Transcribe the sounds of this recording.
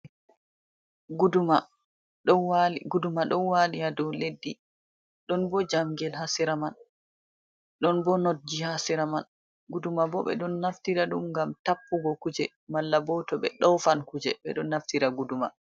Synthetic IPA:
ɡuduma | ɗɔwɡudumaɗɔnwalijadɔledːi | ɗɔnbɔd͡ʒamɡɛlhasiɾaman | ɗɔnbɔnod̚d͡ʒihasiɾaman | ɡudumabɔɓɛ̰ɗɔnːaftiɾaɗumŋɡamtapːuɡɔkud͡ʒɛ | malːabɔtɔɓɛ̰ɗɔwfankud͡ʒɛ̰ɓɛ̰ɗɔnːaftiɾaɡuduma

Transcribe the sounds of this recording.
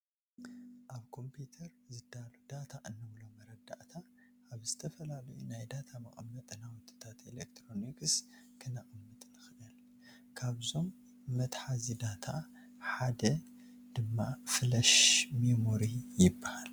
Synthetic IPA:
ʔaβkʰo̞mpʰit̪ʰɐɾzɨd̪alud̪at̪ʰaʔɨnːɐβlomɐɾɐd̪a̰ʔt̪ʰa | ʔːβzɨt̪ʰɐfɐlalɐjunajd̪at̪ʰamɐχʼmːɐt̪ʼɨnawɔt̪ʼːɨ̥t̪ʰat̪elekt̪ʰɾo̞nikɨs | kʰɨnaʔʼɨmːɨt̪ʼnɨxɨdɐl | kʰaβzo̞mː | ɐt̪ħazid̪at̪ʰa | ħad̪ɐ | d̪̥ɨmːafɨlɐʃmemoɾijɪbːahal

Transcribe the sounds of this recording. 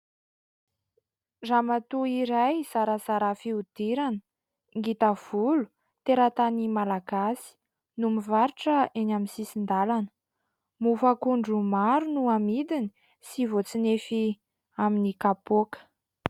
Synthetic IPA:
ramat̪uiɾajz̥aɾazaɾafiud̪̥iɾanə | ŋɡit̪av̥ulu̥ | t̪eɾat̪animalaɡasi̥ | numivaɾiʈ͡ʂəenaminsisind̪alanə̥ | mufakuɳɖ͡ʐumaɾunuamid̪ini̥ | sivot͡sinefi | aminikapokə̥

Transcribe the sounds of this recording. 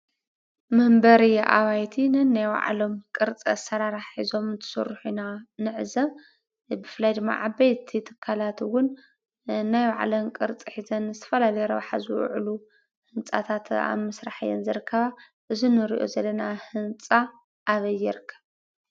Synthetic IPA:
mɨhmbɐɾiʔa̰βajt̪ʰinɨnajwa̰ʕlo̞mkʼɨɾt͡sʼɐ̰sɐɾaɾaħizo̞mɨnt̪ʰɐ̥sɨ̰rːħunanɨʕzɐm | bɨfɨlajd̪ɨmːa̰ʕabɐjt̪ʰit̪ʰɨkʰːalat̪wʊnː | ajwa̰ʕlomkʼɨɾt͡sʼiħizɐnːɨzɨt̪ʰɐ̥fɐlalɐjɾɐβħa̰zɨwʊ̰ʕlu | hɨnt͡sʼa̰t̪ʰat̪a̰mɐsɾaħjɛ̰nzɨɾɨkːɐβa | ʔɨzinɨɾḭʔo̰zɐlːɐnahɨnt͡sʼa | ʔːβɐjːɛɾɨkʰːɐβ

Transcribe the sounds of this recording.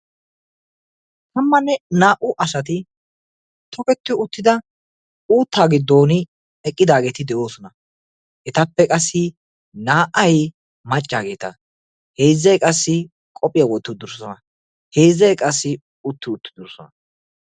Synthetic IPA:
t̪ɐmːɐnːɛnaːʔʊʔɐsɐt̪̬ɪ | t̪ʰɔkɛt̪ːɪʊt̪ːɪd̪ɐ | uːt̪ːaːɡɪd̪ːo̞ːnɪ | ɛkʼːɪd̪aːɡe̞ːt̪ɪd̪ɛʔo̞ːsɔnɐ | ʔɛt̪ɐpːɛkʼɐsːɪ | naːʔɐj | mɐt͡ʃʼːaːɡe̞ːt̪ɐ̰ | he̞ːzːɛjkʼɐsːɪ | kʼɔpʼːɪjawɔt̪ːɪd̪ʊɾɔsɔnɐ | he̞ːzːɛjkʼɐsːɪ | ʊt̪ːɪʊt̪ːɪd̪ʊɾsɔnɐ

